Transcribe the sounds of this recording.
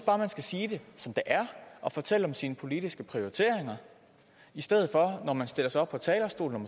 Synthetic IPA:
b̥ɑ̈ːmænsɡ̥æsiːd̥e̝sɒ̽md̥eʔæɐʔɒ̽fɒ̽t͡sʰel̰əɒ̽msiːnəpʰo̝lid̥isɡ̥əpʰʁio̝it͡sʰe̝̰ɐ̰eŋɐ | isd̥eð̰̩ˠfɒ̽nɒmænsd̥e̝l̰ɐsaɒ̥̽pʰɒ̽t͡sʰɛːlɐsd̥o̝̰ːln̩ɒm

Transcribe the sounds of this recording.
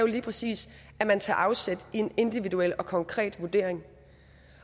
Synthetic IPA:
jo̝liːpʰʁɛsḭːs | æmænt͡sʰɑ̰̈ːʔɑ̈ʊsed̥ie̝ne̝nd̥iʋiduel̰ɒ̽kʰɒ̽ŋkʰʁɛ̰ːd̥ʋuɐd̥e̝ɐe̝ŋ

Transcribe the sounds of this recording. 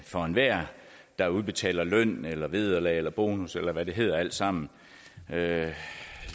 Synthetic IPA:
fɒnʋæɐ̰ | d̥ɑ̈uð̞ˠb̥e̝t͡sʰɛ̰ːlɐlœn̰elɐʋe̝ðˠɐlɛ̰ːelɐb̥o̝ːnuselɐʋæd̥e̝ɦe̝ð̞̰ˠɐæl̰d̥sɑ̈m̰n̩ | ø

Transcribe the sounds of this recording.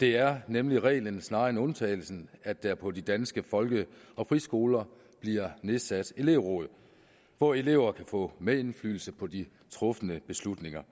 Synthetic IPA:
d̥e̝æɐnemliʁɛ̰ːlənsnɑ̈ːenɔ̽nt͡sʰɛ̰ːɪl̩sn̩æd̥æpʰɒ̽did̥ænsɡ̥əfɒ̽lɡ̥ə | ɒ̽pʰʁisɡ̥o̝ːlɐ | b̥liɐ̰ne̝ðˠsæd̥e̝le̝ʊʁɔ̰̽ːð̩ˠ | ʋɒe̝le̝̰ʊ̰ɐkʰæfɔ̰̽ːmee̝nfly̰ːl̩səpʰɒ̽d̥i | t͡sʰʁɔ̽fənəb̥e̝slud̥ne̝ŋɐ

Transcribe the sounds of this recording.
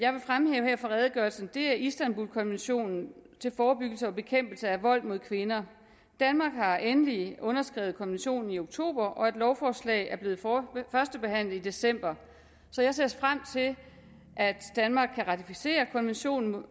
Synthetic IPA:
jɑ̈ɪʋe̝fʁamheːʊheɐ̰fɒ̽ʁɛðˠəɡ̥ɶɐlsn̩d̥e̝æɐʔisd̥ænb̥ulkʰɒ̽nʋenɕo̝̰ːnn̩t͡sʰe̝lfɒːb̥yɡ̥l̩səɒ̽b̥e̝kʰem̰b̥l̩səæʋɒ̽l̰mo̝ð̞̰ˠkʰʋe̝nɐ | d̥ænmɑ̈ːɡ̥hɑ̈ʔenəliɔ̽nɐsɡ̥ʁɛ̰ʊð̩ˠkʰɒ̽nʋenɕo̝̰ːnn̩io̝ɡ̥t͡sʰo̝̰ːb̥ɐʔɒ̽e̝d̥lɒʊfɒːslɛ̰ɪæɐb̥le̝ːð̩ˠfɶɐsd̥əb̥e̝hæn̰lð̩ˠid̥e̝sem̰b̥ɐ | sɒ̽jɑ̈ɪse̝ɐsfʁam̰t͡sʰe̝l | ʔæd̥d̥ænmɑ̈ːɡ̥kʰːæʁɑ̈t͡sʰifise̝̰ːɐkʰɒ̽nʋenɕo̝̰ːn̩

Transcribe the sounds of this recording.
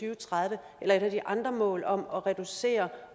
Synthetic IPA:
yːʊt͡sʰʁaðˠʋə | elɐe̝ɾ̥æd̥iʔɑ̈nd̥ʁɐmɔ̰̽ːlɒ̽mɒ̽ʁɛd̥use̝̰ːɐ

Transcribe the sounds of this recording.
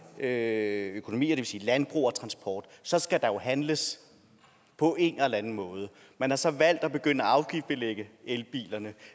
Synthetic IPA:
øøkʰo̝no̝mḭːɐd̥e̝ʋe̝siːlænb̥ʁṵːɒt͡sʰʁɑ̈nsb̥ʰɒ̰ːd̥sɒ̽sɡ̥æd̥ɑ̈jo̝ɦænləs | pʰɒ̽ʔe̝nelɐænn̩mɔ̽ːð̞ˠə | mænhɑ̈sɒ̽ʋæl̰d̥ɒb̥e̝ɡ̥øn̰əɒɑ̈ʊɡ̥ifb̥eleɡ̥əelb̥ḭːlɐnə

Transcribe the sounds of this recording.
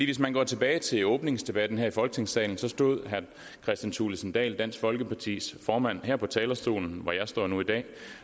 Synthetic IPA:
d̥ḭːʋes̬mænɡɒ̰ːt͡sʰe̝b̥ɛːɪt͡sʰe̝lɔ̽ːb̥ne̝ŋsd̥e̝b̥æd̥n̩ɦæɐ̰ifɒ̽lɡ̥ə̥t͡sʰe̝ŋsɛ̰ːln̩sɒ̽sd̥o̝ð̞̰ˠɦæɐ | kʰʁɛsd̥ænt͡sʰuːləsn̩d̥ɛ̰ːld̥æn̰sɡ̥fɒ̽lɡ̥əpʰɑ̈t͡sʰḭːsfɒːmæn̰hæɐ̰pʰɒ̽t͡sʰɛːlɐsd̥o̝̰ːln̩ʋɒjɑ̈ɪsd̥ɒ̰ːnuid̥ɛ̰ː

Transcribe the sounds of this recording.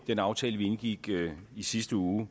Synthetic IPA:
d̥enɑ̈ʊt͡sʰɛ̰ːləʋienɡ̥iɡ̥isisd̥əuː

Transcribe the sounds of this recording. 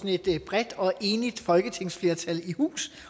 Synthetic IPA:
sne̝d̥b̥ʁɛd̥ɒ̽ʔe̝ːnid̥fɒ̽lɡ̥ət͡sʰe̝ŋ̰sfle̝ɐt͡sʰælihṵːs

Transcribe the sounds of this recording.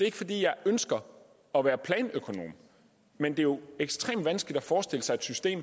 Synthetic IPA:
d̥e̝e̝ɡ̥fɒ̽d̥ḭːjɑ̈ɪʔønsɡ̥ɐ | ɒ̽ʋæːɐpʰlɛːnøkʰo̝no̝̰ːm | mend̥e̝jo̝eɡ̥sd̥ʁḛːmd̥ʋænsɡ̥lid̥æfɒːsd̥e̝ləsɑ̈ɪed̥sysd̥e̝̰ːm

